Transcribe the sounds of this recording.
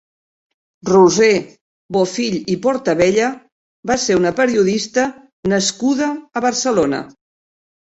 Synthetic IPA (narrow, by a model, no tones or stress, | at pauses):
ruze | βofiʎipɔɾt̪əβɛʎə | baseunəpəɾiuðist̪ə | nəskuðəːβəɾsəlonə̰